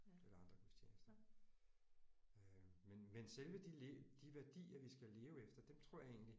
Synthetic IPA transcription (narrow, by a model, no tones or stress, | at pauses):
elɐɑ̈nd̥ʁɐkʰusd̥ʰjḛːsd̥ɐ | ømenmenselʋəd̥ild̥iʋæɐd̥ḭːɐʋisɡ̥æle̝ːʊefd̥ɐd̥emt͡sʰʁɔ̝ɐ̰je̝̰ːn̩li